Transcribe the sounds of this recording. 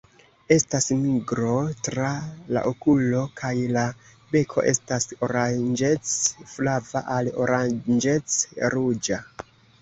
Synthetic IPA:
e̞stasmiɡɾo̞tɾala̰ʔokulo̞kʰajla | be̞kʰo̞̰ʔe̞̰staso̞ɾand͡ʒe̞t͡sflava̰ʔalo̞̰ɾad͡ʒe̞t͡sɾud͡ʒa

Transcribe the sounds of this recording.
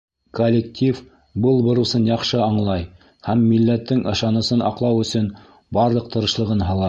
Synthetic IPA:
kolʲːektʲif | bɤlˠbŏɾusɤnjɑqʃɤɑɴlˠɑj | hæmːilːæt̪ːɘŋʔɤ̆ʃɑnɤ̆sɤnɑ̰qlˠɑwɵ̆sɵn | bɑɾlˠɤq̚t̪ɤ̆ɾɤ̆ʃlˠɤ̆ʁɤnɦɑlˠɑ

